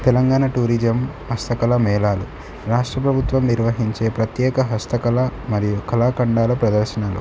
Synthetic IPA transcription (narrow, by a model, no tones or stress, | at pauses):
t̪ɛlɐŋɡaːnaʈuːɾid͡ʒɐm | hɐst̪ɐkɐlɐmɛːlaːlu | ɾaːʂʈɾɐpɾɐbʱut̪ʋɐmniɾʋɐɦiɲt͡ʃe̞ːpɾɐt̪jɛːkɐɦɐst̪ɐkɐlɐmɐɾijukʰɐlaːkɐɳɖaːlɐpɾɐd̪ɐɾʃɐnaːlṵ